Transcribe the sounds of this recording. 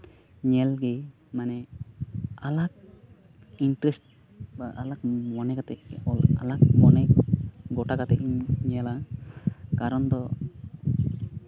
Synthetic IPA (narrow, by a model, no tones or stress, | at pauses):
ɲɛlɡɛ | manɛ | alak̚ | iɳʈɾɛsʈ̚ | baʔalak̚mɔnɛkat̪ɛa̰lakmɔnɛɡɔʈakat̪ɛʔiɲɛla | kaɾɔnd̪ɔ